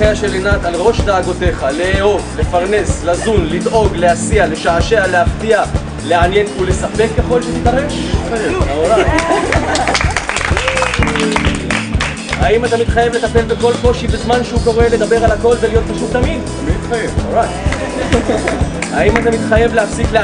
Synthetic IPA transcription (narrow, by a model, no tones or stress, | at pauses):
eaʃelenat̪alʁo̞ʃd̪aːɡo̞t̪e̞χaleeo̞vle̞faʁne̞slazunlid̪ʔo̞ɡleasiale̞ʃaːʃealeaft̪ia | leanje̞nule̞sape̞kːeχo̞lʃet̪it̪aʁeʃaeaoɾaj | haimat̪amit̪χajevle̞t̪ape̞lbe̞ko̞lko̞ʃibe̞zmanʃeuko̞ʁe̞le̞d̪abe̞ʁalako̞lvelijo̞t̪̚paʃuttːamid | miit̪χajevoɾajt | aimat̪amit̪χaje̞vleafsikle